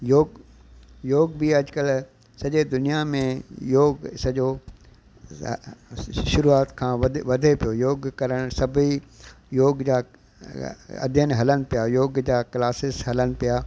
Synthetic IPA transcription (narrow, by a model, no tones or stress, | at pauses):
joːɡ | joːɡbiɐd͡ʑkəl | sɐʄed̪ʊnijamẽjoːɡsɐd͡ʑo | ʃʊɾuaːt̪kʰãːʋɐd̪ʱepijojoːɡkɐɾəɽ̃sɐbʱi | joːɡd͡ʑaː | ɐ̰d̪ʱjənɦɐləñɪ̆pijaːjoːɡd͡ʑaːklaːsɪsɦɐləñɪ̆pijaː